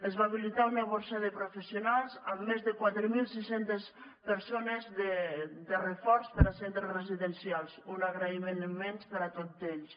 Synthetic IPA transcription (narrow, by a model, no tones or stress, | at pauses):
əzβaβilit̪aunaβoɾsaðəpɾufesiunalˠzamːezðəkwat̪ɾəmilˠsisent̪es | pəɾsonezðəd̪ərefɔɾspəɾasent̪ɾəsreziðənsialˠsunaɣɾaimenmːɛnspəɾat̪ozeʎs